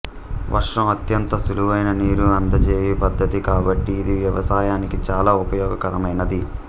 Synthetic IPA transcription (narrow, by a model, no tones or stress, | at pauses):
ʋʔɐ̰ɾʂɐmɐt̪jɐnt̪ɐsuluʋɐjnɐniːɾuɐnd̪ɐt͡ʃeːjipɐd̪ʱːɐt̪ikaːbɐʈːiːd̪iʋjɐʋɐsaːjaːnikit͡ʃaːlaːupɐjɔːɡɐkɐɾɐmɐjnɐd̪i